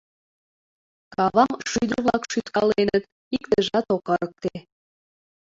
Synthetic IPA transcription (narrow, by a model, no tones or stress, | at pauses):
kɑβɑmʃyd̪ərβlɑkʃyt̪kɑlenət̪ | ikt̪əʒɑt̪okɑɾək̚t̪e